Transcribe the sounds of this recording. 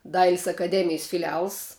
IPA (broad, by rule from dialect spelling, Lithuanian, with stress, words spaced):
ˈdɐɪlʲɪs ɐkɐˈdʲæːmʲɪjs fʲɪlʲɪˈɐlˠs